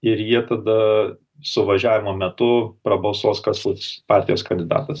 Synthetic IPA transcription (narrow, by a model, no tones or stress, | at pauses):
ɪɾjiɛt̪ɐd̪ɐ | sʊʋɐʒʲæːʋʲɪmoːmʲɛt̪ʊpɾɐbɐlˠsoːskɐslˠʊspɑɾʲt̪ʲɪjoːskɐnʲd̪ʲɪd̪ɑ̰ːt̪ɐs